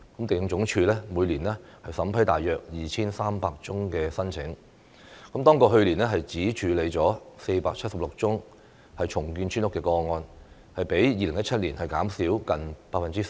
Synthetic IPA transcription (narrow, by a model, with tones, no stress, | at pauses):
kɐ˨˥mt̪e˨jɪ˧ŋt͡sʊ˨˥ŋt͡ʃʰyː˧lɛ˥muː˨˧jliː˨˩nlɛ˥hɐ˨jsɐ˨˥mpʰɐ˨˥jt̪a̰ː˨jːœː˨k̚jiː˨t͡ɕʰiː˥nsaː˥mpaː˧k̚t͡sʊ˥ŋkɛː˧sɐ˥nt͡sʰɪ˨˥ŋ | kə˨˥mt̪ɔː˥ŋkɔː˧ɦɵ˧ɥliː˨˩nɛː˥ɦɐ˨jt͡siː˨˥t͡ʃʰyː˨˧˥le˨˧jt͡sɔː˨˥se˧jpaː˧k̚t͡sʰɐ˥t̚sɐ˨p̚lʊ˨k̚t͡sʊ˥ŋ | hɐ˨jt͡ʃʰʊ˨˩ŋkyː˧nt͡ʃʰyː˥nʊ˥kːɛː˧kɔː˧ŋɔː˧n | hɐ˨jpe˨˥jjiː˨lɪ˨˩ŋjɐ˥t̚t͡ʃʰɐ˥t̚liː˨˩nhɐ˨jkaː˨˥msiː˨˥wkɐ˨npaː˧k̚fɐ˨nt͡si˦˥s